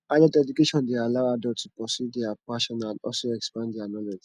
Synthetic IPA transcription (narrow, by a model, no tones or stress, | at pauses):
adɛdɛdukeʃɔ̃ndealaʊadɔtupɹɔsudiapaʃɔ̃nãnɔ̰lsoɛkspãndianɔlɔd͡ʒ